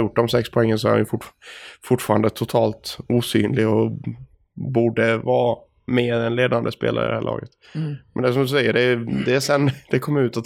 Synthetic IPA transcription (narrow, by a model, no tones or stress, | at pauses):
jʊʈːd̪ɔmsɛkspʰɔɛŋːənsɔæɾa̰njɵfʊʈfʊʈːfɑːɾand̪ət̪ʰʊt̪ʰɑːlt̪uːsy̰ːnlɪɡɔ | buːɖəvɑː | meːɛnleːd̪and̪əspḛːla̰ɾə̰d̪ɛhæːɭʔɑ̰ːɡət̪ | mɛ̰nd̪ɛsɔmd̪ɵsɛjːəɖɛd̪ɛːsɛnːd̪̥ɛkʰɔmːəɾʉ̟ːt̪at̪